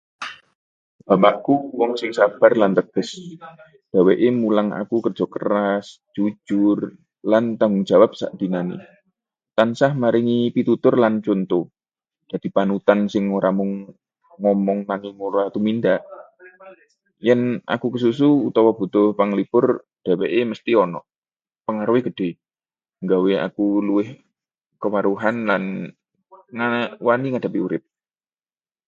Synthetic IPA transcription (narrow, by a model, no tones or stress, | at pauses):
b̥a̤paʔkuwɔŋsɪŋsab̥a̤rlant̪əɡ̥əs | b̥a̤weʔemulaŋa̰kukərdd͡ʒ̥ɔ̤kə̰ɾas | d͡ʒ̥u̥d͡ʒ̥ʊr | lant̪aŋɡʊŋ̥d͡ʒ̥a̤wap̚sa̰ʔd̪̥inanḭ | t̪ansahmaɾiŋipit̪ut̪ʊrlant͡ʃont̪o | d͡ʒ̥a̤d̪̥i̤panut̪ansɪŋːoɾamʊŋː | ɔmɔŋnaŋiŋoɾat̪umind̪aʔ | jɛna̰kukəs̬us̬uut̪ɔwab̥ṳt̪ʊhpaŋlib̥ʊr | d̥aweʔeməst̪iɔnɔ̰ʔ | pəŋaɾweɡ̥əd̥e̤ | ŋɡawea̰kuluɪh | kəmaɾuɦanlan | ŋawaniŋad̥a̤piuɾɪp̚